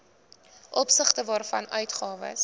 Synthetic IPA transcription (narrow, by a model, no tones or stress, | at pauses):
ʔɔpsəχtəvɑːrfɐ̰nœɥtχɑːvə̰s